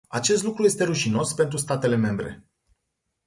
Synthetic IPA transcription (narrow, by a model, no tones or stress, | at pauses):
at͡ʃe̞st̪lukɾuje̞st̪e̞ɾuʃino̞spe̞nt̪̬ɾust̪at̪e̞le̞me̞mbɾe̞̰